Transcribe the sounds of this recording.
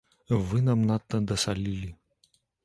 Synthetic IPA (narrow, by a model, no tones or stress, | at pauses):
vɨnamnat̪ːəd̪ɐsalʲilʲi